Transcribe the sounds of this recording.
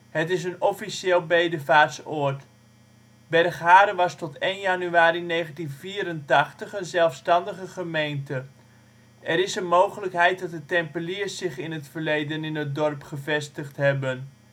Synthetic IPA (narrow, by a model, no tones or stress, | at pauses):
hətɪs̬ənɔfiseːlˠbejdəvaːtsɔːt | bɛrχɦaːɾəʋɑstɔtejnjanyaːɾinejχəntinviːɾəntɑχtəχənzɛlˠfstɑndəχəχəmejntə | ʔɛɾɪsənmowχələkɦɛjt̚dɑt̚ətɛmpəliəsɪχɪnətfəɹlejdənɪnət̚dɔrpχəvɛstəχtɦɛbən